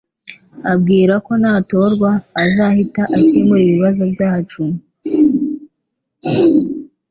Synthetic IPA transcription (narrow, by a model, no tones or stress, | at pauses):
abɡiːɾako̞nato̞ɾɡwaːzahitaʔacemuɾiβiβazo̞bjaːhat͡ʃumu